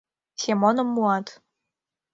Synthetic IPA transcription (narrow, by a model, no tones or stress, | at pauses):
sʲemonɤ̆mːuɑt̪